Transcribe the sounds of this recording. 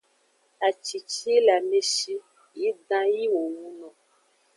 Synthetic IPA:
a˨t͡ʃi˨t͡ʃla˨me˦ʃi˦ | ji˨˦dã˦ji˦wo˨wũ˦nɔ̃˨

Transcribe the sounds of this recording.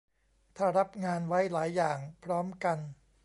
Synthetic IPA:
t̪ʰaː˥˩ɾa˦˥p̚ŋaː˧nwa˦˥jlaː˩˦jːaː˨˩ŋpʰɾɔː˦˥mka˧n

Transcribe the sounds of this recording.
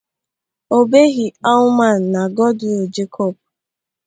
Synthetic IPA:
o˦be˦ɣi˨a˦ʊ˦ma˦˨n̩˨na˨ɡɔ˦dʊ˨d͡ʒe˦kʰɔ˦˨p̚

